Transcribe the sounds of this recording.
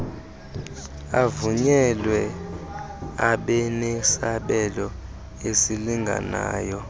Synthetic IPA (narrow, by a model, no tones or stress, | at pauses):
avuɲɛlwɛ | aɓɛnɛsaɓɛlɔ | esiliŋɡʱa̰na̰ːjɔ